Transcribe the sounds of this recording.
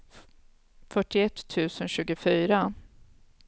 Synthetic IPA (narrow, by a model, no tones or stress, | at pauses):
fœʈɪɛt̪ʰːʉ̟ːsənɕʉ̟ːɡʊfyːɾa